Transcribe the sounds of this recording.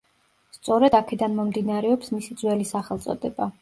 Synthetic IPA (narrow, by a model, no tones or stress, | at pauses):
st̪sʼɔɾɛd̪akʰɛd̪anmɔmd̪inaɾɛɔpsmisid̪zwɛlisaχɛlˠt̪sʼɔ̰d̪ɛba